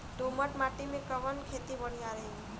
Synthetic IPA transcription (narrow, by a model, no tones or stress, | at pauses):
d̪oməʈmaːʈimẽkəʋənkʰeːt̪ibəɽ̤̃ijaɾəɦeŋi